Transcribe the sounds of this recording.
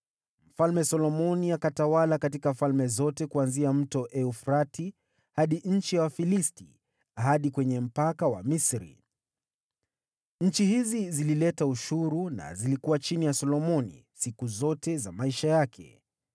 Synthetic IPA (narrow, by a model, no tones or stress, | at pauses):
m̩falmɛsɔlɔmɔniakatawalakatikafalmɛzɔtɛkuanziam̩tɔʔɛufɾati | haɗiɲ̩t͡ʃiawafilistḭ | aɦaɗikwɛɲɛm̩pakawa̰misɾḭ | ɲ̩t͡ʃihizizililɛtauʃuɾuna̰zilikuwat͡ʃinijasɔlɔmɔnḭsikuzɔtɛzamaiʃajakʰɛ̰